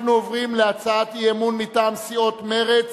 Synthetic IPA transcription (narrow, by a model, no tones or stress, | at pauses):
nuovʁimleat͡saat̪ijemunmitaːmsio̞t̪me̞ʁet͡s